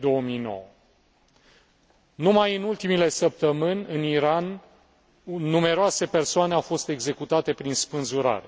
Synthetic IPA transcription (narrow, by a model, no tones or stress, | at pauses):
d̪o̞omijno̞̰wə | numajɨnult̪imile̞səp̚t̪əmɨnʲɨniɾan | ume̞ɾoase̞pe̞rsoaneawfo̞st̪e̞ɡze̞kut̪at̪e̞pɾinspɨnzuɾa̰ɾe